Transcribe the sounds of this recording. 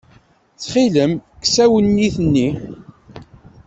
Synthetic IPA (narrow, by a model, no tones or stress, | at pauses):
t͡sːχiləmksæwənːiθnːi